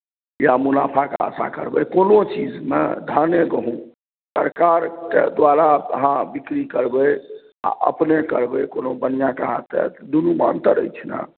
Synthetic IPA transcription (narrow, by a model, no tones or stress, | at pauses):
jamunapʰakḛa̰sa̰kəɾbɛkonot͡ʃid͡ʒmḛd̪ʱaneɡəɦũ | səɾkaɾked̪ʋaɾaə̰ɦãbikɾikəɾbɛ | a̰ʔə̰pnekəɾbɛkonobənijãkaɦat̪ɛ̰t̪d̪unuma̰nt̪əɾə̰jt͡ʃʰna̰